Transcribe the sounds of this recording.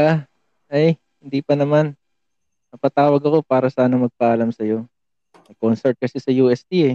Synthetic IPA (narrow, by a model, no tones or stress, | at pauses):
a | ʔɐj | hɪnd̪ipɐnɐman | mɐpɐt̪aːwɐɡɐko̞paːɾɐsaːnɐmɐɡ̚pɐʔɐlamsɐjo̞ | ɐkonsɛɹt̪̚kɐsɛsɐjuːʔɛst̪iɛ